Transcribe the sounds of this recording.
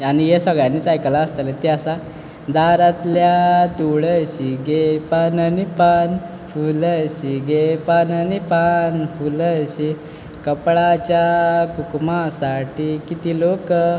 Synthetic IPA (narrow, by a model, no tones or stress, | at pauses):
anijesəɡɭjanːiːt͡sajkəlaəst̪əlet̪eəsa | d̪aɾat̪ljat̪uɭəɕiɡepananipan | fuləɕiɡepananipanfuləɕi | kəpɭat͡ɕjakukmasaʈikit̪ilok